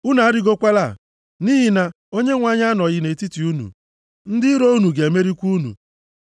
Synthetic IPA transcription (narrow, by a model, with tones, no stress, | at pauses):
u˦na˨a˦ɾɪ˦ɡo˦kʷa˦la˦˨ | ni˦ɦi˨na˦ | o˦ɲe˦ŋʷa˦ɲa˦nɔ˨ɣɪ˦ne˨ti˦ti˨u˦nṵ˨ | n̩˦dɪ˦ɾo˦u˦nu˨ɡe˨e˨me˦ɾi˦kʷu˦nṵ˨